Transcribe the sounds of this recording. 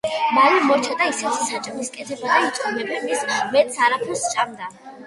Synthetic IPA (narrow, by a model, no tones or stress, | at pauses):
maɾimɔɾt͡ʃʰad̪aisɛtsat͡ʃʼmiskʼɛt̪ʰɛbad̪ait̪ʼumɛbɛmismɛt̪ʼsaɾapʰust͡ʃʼamd̪a